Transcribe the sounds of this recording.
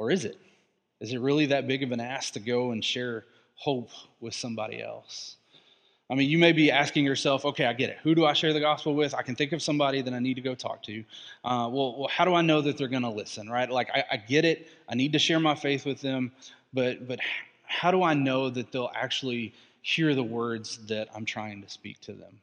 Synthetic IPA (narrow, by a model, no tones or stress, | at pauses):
ə˞ɨzɪ̰t̚ | ɨzɨt̚ɹɪlˠiðɨt̚b̥ɪɡʌvɨ̃næstʰɨɡoʊə̃nʃɛɹ | hoʊpwɨð̥sʌ̃mbɑ̰ɾḭɛ̰lˠs | aɪmĩnjɨmeɪbiæskɪ̃ŋjə˞sɛlˠfoʊkʰeɪaɪɡɛɾɨ̰t̚hʉɾəaɪʃɛɹðɨɡɑspl̩ˠwɪðaɪkɨ̃nθɪ̃ŋkʌv̥sʌ̃mbɑɾiðɨ̃ñaɪnid̚tɨɡoʊtʰɔ̰k̚tʰʉʔʌwɛlˠwɛlˠhaʊɾəaɪnoʊðɨt̪̚ðə˞ɡʌnəlɪsɨ̃nɹaɪt̚ˡlaɪka̰ɪʔa̰ɪɡɛɾɪt̚ʔaɪnid̚tɨʃɛɹmaɪfeɪθwɨðɨ̃m | b̥ʌt̚b̥ʌt̚h | haʊɾəaɪnoʊðɨt̪̚ðeɪlˠæ̰k̚t͡ʃul̩ˠi | hiɹðəwɜ˞dzðɨɾã̰ɪ̃mtʰɹ̥aɪɪ̃ŋtʰɨ̥spḭk̚tʰɨðɨ̰̃m